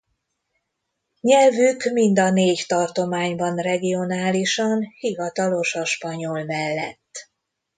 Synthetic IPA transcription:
ɲɛlvykmind̪ɒneːct̪ɒrt̪o̞maːɲbɒnrɛɡio̞naːliʃɒnhivɒt̪ɒlo̞ʃɒʃpɒɲo̞lmɛlːɛt̪ː

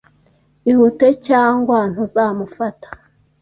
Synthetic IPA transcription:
ihute̞caːŋɡwan̥huzaːmufatḁ

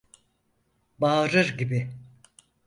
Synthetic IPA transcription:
baːɾɯɾɟibɪ

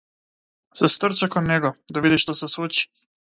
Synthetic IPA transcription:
sest̪r̩t͡ʃakod̪ɲeɡod̪aʋid̪iʃt̪osesut͡ʃi̥

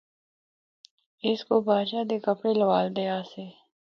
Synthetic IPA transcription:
ɪskobaːd͡ʒaːd̪eːkɐpɽelɐwaːld̪ejaːseː

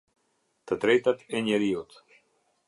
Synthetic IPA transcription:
t̪ət̪ɾejt̪at̪eɲeɾiot̪

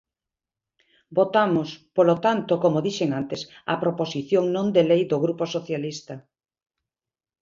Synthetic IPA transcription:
bot̪amospolot̪ant̪okomoðiʃeŋant̪esɐ̰pɾoposiθjoŋnõnd̪elejd̪oɣɾuposoθjalist̪ɐ

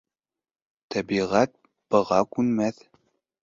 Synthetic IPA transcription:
t̪æbiʁæt̪̚ | b̥ɤ̆ʁɑkʉnmæθ

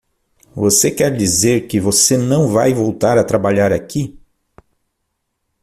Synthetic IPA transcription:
vosekɛɾd͡ʒizeɾkɪvosenɐ̃w̃vajvowt̪aɾat̪ɾabaʎaɾaki

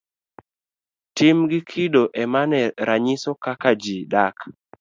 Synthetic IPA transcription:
timɡɪkʰidoʔɛmanɛɾaɲɪsɔkakad͡ʒidak

